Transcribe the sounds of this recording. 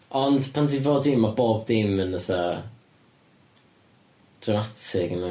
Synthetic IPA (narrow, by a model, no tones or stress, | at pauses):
ɔnd̥pʰantʰivoːdimːaboːbdimənəθa | d̥ramatʰɪɡəna